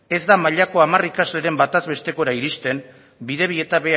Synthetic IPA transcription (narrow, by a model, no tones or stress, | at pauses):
e̞zd̪amaʎako̞amarikazle̞ɾe̞mbat̪azβe̞st̪e̞ko̞ɾaiɾist̪e̞n | biðe̞β̞ie̞t̪aβe̞